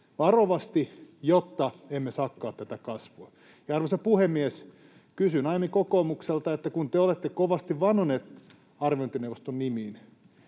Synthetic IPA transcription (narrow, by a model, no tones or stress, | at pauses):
ʋɑroʋɑst̪ijot̪ːɑemːesɑkːɑːt̪t̪æt̪ækɑsʋoː | jɑɑrʋosɑpuhemːies | kysynɑimikokoːmukselt̪ɑet̪ːækunt̪eolet̪ːekoʋɑst̪iʋʋɑnhoneːt̪ | ɑrʋiont̪inewʋost̪onnimiːn